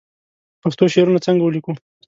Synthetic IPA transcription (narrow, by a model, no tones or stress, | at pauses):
paxt̪oʃeɾunat͡səŋɡawəliku